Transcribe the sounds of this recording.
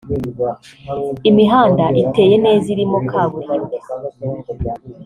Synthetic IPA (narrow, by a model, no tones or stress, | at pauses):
imiɦaːndaʔite̞ːje̞ne̞ːziɾimo̞kʰaːβuɾeɾe